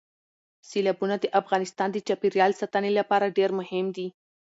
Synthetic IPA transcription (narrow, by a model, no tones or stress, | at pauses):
silabunad̪əʔafɣɑnɪst̪ɑnd̪ət͡ʃɑpiɾjɑlsat̪anelapɑɾaɖeɾmʊhɪmd̪i